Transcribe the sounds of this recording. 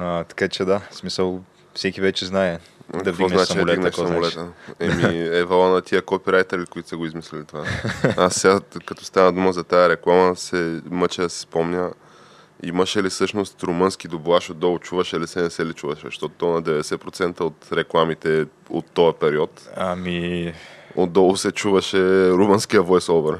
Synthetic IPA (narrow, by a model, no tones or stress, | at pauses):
at̪ɐ̥kat͡ʃɛd̪asmisəlˠ | fsɛkivɛt͡ʃɛznaɛ | kd̪ɐkvɔnat͡ʃsid̪lɡnɛʃsɐmolɛt̪əɛmiɛvalˠanɐt̪ʰiəkopiɾajt̪ɛɾilikoʊit̪ʊ̥sɛɡoizmislʲɛlit̪ovaasːɛɡakɐt̪ɔ̥st̪anəd̪uməzɐt̪ajɐɾɛklˠaməsɛmət͡ʃɛd̪ɐsɛ̥spomɲʲə | ḭmɐʃɛlisɤʃnost̪ɾomɤnsk̟id̪obuaʃod̪ɔlʊt͡ʃuvɐʃɛlisɛnɛsɛlit͡ʃuvɐʃɛʃt̪ɔt̪t̪onɐd̪ɛvɛd̪ɛsɛpɾot̪sɛnt̪əot̪ɾɛklˠamit̪ɛ | o̰t̪ːɔɐpɛɾiɔt̪ɐmi | o̰d̪d̪ɔlˠʊsɛt͡ʃuvɐʃɛɾumənskijəvɔjsɔvɛɾ